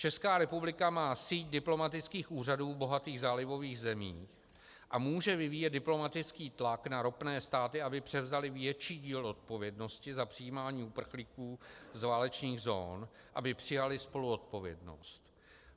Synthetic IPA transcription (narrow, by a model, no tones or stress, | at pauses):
t͡ʃɛskaːɾɛpublɪkamaːsiːc̚dɪplo̞mat̪ɪt͡skiːxʔuːr̝aduːbo̞ɦat̪iːɣzaːlɪvo̞viːɣzɛmiː | ʔamuːʒɛvɪviːjɛtd̪̚dɪplo̞mat̪ɪt͡skiːt̪laknaɾo̞pnɛːst̪aːt̪ɪabɪpr̥ɛvzalɪvjɛt͡ʃiːɟiːlʔo̞t̪̚po̞vjɛdno̞scɪzapr̥ɪjiːmaːɲiːupr̩xlikuːzvaːlɛt͡ʃɲiːɣzo̰ːn | ʔabɪpr̥ɪjalɪspo̞luo̞t̪̚po̞vjɛ̰dno̞̰st̪